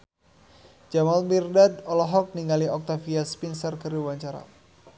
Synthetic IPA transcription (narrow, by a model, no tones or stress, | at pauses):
d͡ʒamalmirdad̪ɔlɔɦɔk̚niŋaliɔk̚t̪afiaspinsərkəɾiwaɲt͡ʃaɾa̰